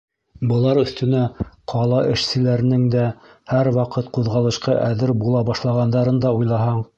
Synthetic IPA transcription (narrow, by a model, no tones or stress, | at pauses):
bɤ̆lˠɑɾɵ̆θt̪ɵ̆næqʰɑlˠɑʔɘ̆ʃsɘ̆læɾɘ̆nɘŋd̪æhæɾwɑqɤt̪quðʁɑlˠɤ̆ʃqɑʔæðɘɾbulˠɑbɑʃlˠɑʁɑnd̪ɑɾɤnd̪ɑujlˠɑɦɑɴ